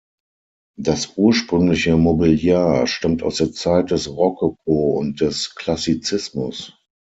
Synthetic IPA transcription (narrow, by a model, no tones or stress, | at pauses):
d̥asʔuːɐʃpʁ̥ʏŋlɪçəmobiljaːʃtamta̰ʊsd̥eːɐt͡saɪt̚d̥ɛsʁɔkok̚ʰoːʊ̰nt̚d̥ɛskʰl̥asit͡sɪsmʊ̰s